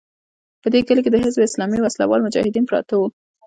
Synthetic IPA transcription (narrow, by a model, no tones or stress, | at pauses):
pəd̪eɡəlek̬ed̪əɦɪzbɪslɑmiwasla̰wɑlmʊd͡ʒɑ̰hɪd̪inpɾɑ̰t̪ow